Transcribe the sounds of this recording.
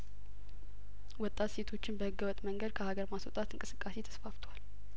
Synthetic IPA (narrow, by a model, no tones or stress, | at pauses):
wɔt̪ʼːat̪se̞t̪ʰo̞t͡ʃːɪnbəhɨɡːəwɔt̪ʼməŋɡəd̪̚kʰəhaɡəɾmaswɔt̪ʼat̪ɨŋkʼɨ̥sɨkʼːase̞t̪ʰə̥sfaft̪ʰəwal